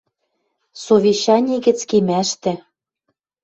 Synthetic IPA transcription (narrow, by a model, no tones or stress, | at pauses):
sovʲeɕɑnʲeɣɘ̆t͡skemæʃt̪ɘ̆